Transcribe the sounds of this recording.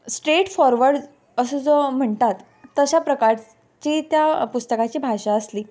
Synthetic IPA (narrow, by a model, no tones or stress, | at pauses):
sʈɾeʈfɔɾʋəɾɖ | əsəd͡zom̤əɳt̪at̪ː | əɕapɾəkaɾ | t͡ɕiːt̪japust̪əkat͡ɕiːbʱaɕaəsliː